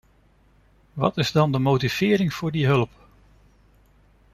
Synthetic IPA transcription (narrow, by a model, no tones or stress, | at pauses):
ʋɑ̰tɪzdɑndəmowtiv̥ɪːɾɪŋv̥ʊːɹdiɦɵlp